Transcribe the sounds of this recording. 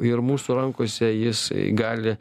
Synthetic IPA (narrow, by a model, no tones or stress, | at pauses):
ɪrmuːsuːɾɐŋkoːsʲɛjɪsɡɑːlʲɪ